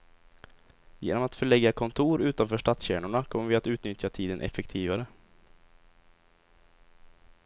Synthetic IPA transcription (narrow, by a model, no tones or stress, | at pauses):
jḛːnɔmat̪fœɭɛɡːakʰɔnt̪ʰuːɾʉ̟ːt̪anfœːʂʈat̪sɕæːɳʊɳakʰɔmːəɾvɪat̪ʉ̟ːt̪nʏt̪ʰjat̪ʰiːd̪ənʔɛ̰fɛkt̪ʰiːvaɾə